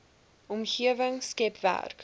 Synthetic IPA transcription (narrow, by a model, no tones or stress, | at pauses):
ɔmχiəvəŋskɛpvæ̰rk